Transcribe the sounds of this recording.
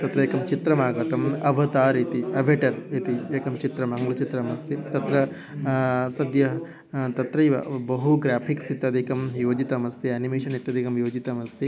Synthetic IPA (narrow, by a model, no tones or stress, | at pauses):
t̪ɐt̪ɾɐeːkɐmt͡ʃit̪ɾɐmaːɡɐt̪ɐmɐʋɐt̪aːɾit̪iɐbʱeʈɐɾit̪ieːkɐmt͡ʃit̪ɾɐmaŋɡlut͡ʃit̪ɾɐmɐst̪ʰit̪ɐt̪ɾɐ | sɐd̪jɐɦ | t̪ɐt̪ɾɐiʋɐ̰bɐɦuɡɾaːpʰiksit̪ɐd̪ʱikɐmjoːd͡ʒit̪ɐmɐst̪iaːnimeːʃɐnit̪jɐd̪ʱikɐmjoːd͡ʒit̪ɐmɐst̪i